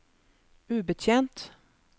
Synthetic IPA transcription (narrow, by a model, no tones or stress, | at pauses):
ʉːbət̪ʰjɛnt̪